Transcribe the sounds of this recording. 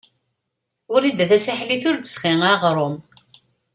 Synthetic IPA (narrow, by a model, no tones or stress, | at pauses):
ʊɾid̪æθæsaħliθʊɾd̪əsχiŋaʁɾˤom